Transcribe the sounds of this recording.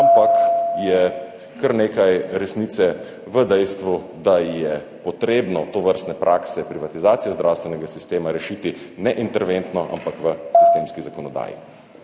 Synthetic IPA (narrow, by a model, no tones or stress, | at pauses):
ampakjɛ | kəɾneːkajɾɛsniːt̪sɛ | ʋəd̪ɛjst̪ʋu | d̪ajɛ | pɔt̪ɾeːbnɔt̪oʋəɾst̪nɛpɾʔaːksɛpɾiʋat̪izaːt̪sijazd̪ɾawst̪ʋɛnɛɡasist̪eːmaɾɛʃit̪inɛʔint̪ɛɾʋent̪nɔʔa̰mpakʋəsi̥st̪eːmskizakɔnɔd̪a̰ːjḭ